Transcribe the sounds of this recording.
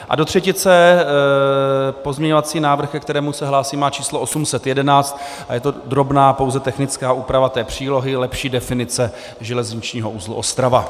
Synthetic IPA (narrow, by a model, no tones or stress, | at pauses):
ʔa̰do̞t̪r̝̥ɛcɪt͡sɛ | po̞zmɲɛɲovat͡siːnaːvr̩xkɛk̚t̪ɛɾɛːmusɛɦlaːsiːmaːt͡ʃiːsloʔosumsɛt̪jɛdɛnaːt͡st̪ | ʔajɛt̪o̞d̪ɾo̞bnaːpo̞wzɛt̪ɛxnɪt͡skaːʔuːpɾavat̪ɛːpr̝̥iːlo̞ɦɪlɛpʃiːdɛfɪnɪt͡sɛ | ʒɛlɛzɲɪt͡ʃɲiːɦo̞ʔuːzlṵʔost̪ɾava